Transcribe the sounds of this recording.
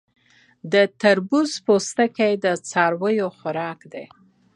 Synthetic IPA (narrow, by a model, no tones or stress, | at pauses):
d̪ət̪aɾbuzpost̪əkajd̪ət͡sɑɾwəjoxʊɾɑkd̪e